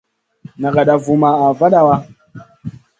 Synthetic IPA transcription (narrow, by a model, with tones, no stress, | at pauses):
na˨ɡa˨ɗa˨vu˨ma˨a˨va˦ɗa˦wa˦